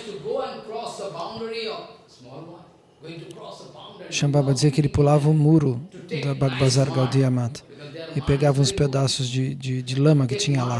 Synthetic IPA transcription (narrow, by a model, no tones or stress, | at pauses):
uɡoɛ̃nkɾɔsəbãʊ̃ndɾiɔ | ʃɐ̃babɐd͡ʒɪziɐkɪelɪpulavɐʊmuɾʊd̪ɐbak̚bazaɾɡawd̪iamat̪ɪpeɡavɐũsped̪asʊzd͡ʒɪd͡ʒɪd͡ʒɪlɐ̃mɐkɪt͡ʃĩɲɐla